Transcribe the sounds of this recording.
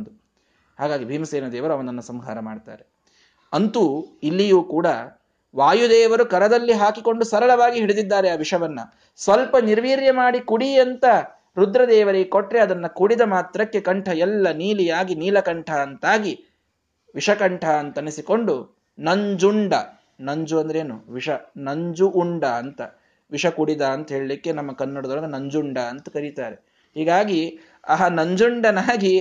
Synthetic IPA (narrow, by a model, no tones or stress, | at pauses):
d̪u | haːɡaːɡibʱiːmɐseːnɐd̪ɛːʋɐɾuɐʋɐnɐnːɐsɐmɡʱa̰ːɾɐma̰ːɖt̪a̰ːɾe | ɐnt̪uilːijuːkuːɽɐ | ʋaːjud̪ɛːʋɐɾukɐɾɐd̪ɐlːiɦaːkikoɳɖusɐɾɐɭɐʋaːɡiɦiɽed̪id̪ːaːɾeaːʋiʂɐʋɐnːɐ̰ | sʋɐlpɐniɾʋiːɾjɐmaːɽikuɽiɐnt̪ɐ | ɾud̪ɾɐd̪ɛːʋɐɾeɡekoʈɾe̞ɐd̪ɐnːɐkuɽid̪ɐmaːt̪ɾɐkːe̞kɐɳʈʰɐɛlːɐniːlijaːɡiniːlɐkɐɳʈʰɐɐnt̪aːɡi | ʋiʂɐkɐɳʈʰɐːnt̪ɐnisiko̞ɳɖu | nɐɲd͡ʒuɳɖɐ | nɐɲd͡ʒuɐnd̪ɐɾeːnuʋiʂɐnɐɲd͡ʒuʔːɳɖɐːnt̪ɐ | ʋiʂɐkuɽid̪ɐɐnt̪ɐɦeːɭɐlikːe̞nɐmːɐkɐnːɐɽɐd̪ɐɾɐɡɐnɐɲd͡ʒuɳɖɐɐnt̪ɐkɐɾit̪aːɾe | hiːɡaːɡi | ɐɦɐnɐɲd͡ʒuɳɖɐnaːɡi